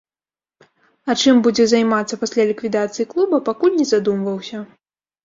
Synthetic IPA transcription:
ɐt͡ʂɨmbud͡zʲɛzajmat̪sːɐpasʲlʲalʲikvʲid̪at̪sɨjiklˠubɐpakulʲnʲɛzad̪umvɐwsʲɐ

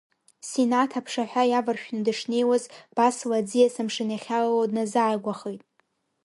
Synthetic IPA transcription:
senatʰapʰʂaħʷᶣajavɨrʃᶣnɨdɨʂne̞jwazb̥aslad͡zijasɨmʂɨnjaχʲalladnazaːɡʷaχejtʼ

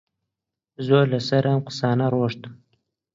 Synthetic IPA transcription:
zolasaɾamqʊ̥sɑːnaɾoʂt̪əm

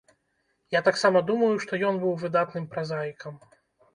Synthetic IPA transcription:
jat̪aksamɐd̪umɐjuʂt̪ɔjɔnbɨwvɨd̪at̪nɨmpɾazajikɐm

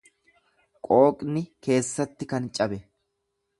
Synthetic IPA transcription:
kʼo̞ːkʼnɪke̞ːsːɐt̪ːɪkɐnt͡ʃʼɐbɛ

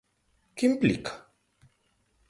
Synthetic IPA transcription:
kimplḭk

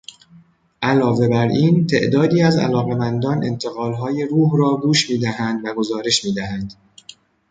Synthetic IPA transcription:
ʔælɒːve̞bæɾiːnt̪ʰe̞̰ʔd̪ɒːd̪iːæzæ̰lɒːɣe̞mænd̪ɒːnʔe̞̰nt̪ʰe̞ɣɒːlɦɒːje̞ɾuːɦrɒːɡuːʃmiːd̪æɦænd̪væɡo̞zɒːɾe̞ʃmiːd̪æɦænd̪̥

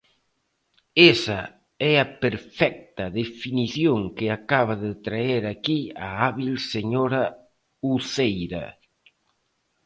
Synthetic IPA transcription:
esa | ɛɐpeɾfɛk̚t̪ɐðefiniθjoŋkɪakaβaðɪt̪ɾaeɾakiaaβilseɲoɾɐ | uθejɾɐ̰

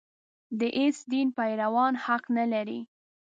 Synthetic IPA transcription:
d̪əʔesd̪inpajɾawɑnhaqnalaɾi

